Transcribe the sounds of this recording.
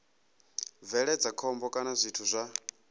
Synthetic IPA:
vɛɺɛd͡zakʰɔmbɔkʼanazʷitʰuzʷa

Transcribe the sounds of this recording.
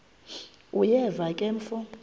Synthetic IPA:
ujɛvakʼɛɱ̩fɔ

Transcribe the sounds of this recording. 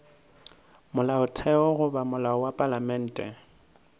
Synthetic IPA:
mʊlaʊtʰɛɔɣʊbamʊlaɔwapʼalamɛn̩ːtʼɛ̰

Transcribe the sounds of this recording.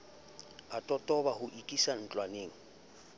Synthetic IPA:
atʼɔtʼɔβahʊʔikʼisan̩t͡ɬʼwaneːŋ̩

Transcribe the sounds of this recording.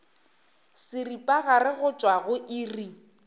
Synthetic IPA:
sɪripʼaɣarɪɣʊt͡ʃʼwaɣʊʔiri

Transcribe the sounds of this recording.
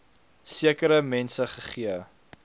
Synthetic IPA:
siəkəɾəmɛnsəχəχiə

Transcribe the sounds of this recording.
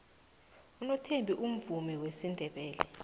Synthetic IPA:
unɔtʰembʱiʔum̩vumiwesindʱɛɓɛːlɛ

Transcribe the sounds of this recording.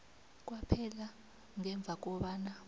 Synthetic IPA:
k̬ʼwapʰɛla | ŋɛɱb̪vʱak̬ʼɔɓana

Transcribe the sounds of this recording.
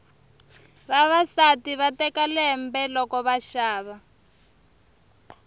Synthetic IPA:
βaβasatiβatɛkalɛɦɛmbɛlɔkɔβaʃaːβa

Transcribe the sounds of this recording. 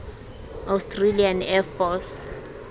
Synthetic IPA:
awstʰrelianɛfɔs

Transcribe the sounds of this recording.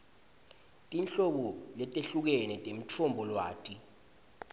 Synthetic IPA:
tʼint͡ɬɔk̬ɔlɛtʼeɬuk̬ɛnɛtʼem̩tʰɔmbʱɔlwa̰ːtʼi

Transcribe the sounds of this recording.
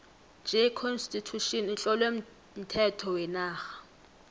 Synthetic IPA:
d͡ʒʱɛkʰɔnstʼitʰuʃɔnit͡ɬʼɔlwem | m̩tʰɛtʰɔwɛnaːxḁ

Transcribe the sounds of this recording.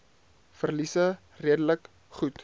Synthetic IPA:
fərlisə | riədələk | χut

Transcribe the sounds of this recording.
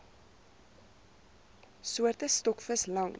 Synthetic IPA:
suərtəstɔkfəslɐŋ

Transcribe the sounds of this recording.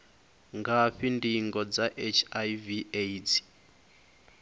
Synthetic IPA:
ŋɡaɸindiŋɡɔd͡zaʔet͡ʃʰavieid͡zi̥

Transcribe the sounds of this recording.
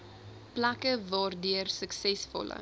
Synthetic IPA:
plɐkəvɑːrdyərsəksɛsfɔ̰lə̰

